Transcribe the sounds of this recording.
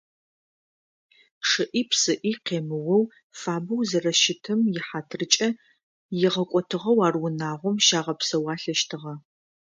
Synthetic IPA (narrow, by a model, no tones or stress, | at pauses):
ʂɨʔiːpʰsɨʔiːqeːmɨwɐw | faːbɐwzɐrɐʃɪtʰɨmjɪħaːtʰrɨt͡ʃʼɐ | jɪʁɐkʷʼɔtʰɨʁɐwaːrwʊnaːʁʷɔmʃaːʁɐpsɐwɑːɬɐʃtʰɨʁɐ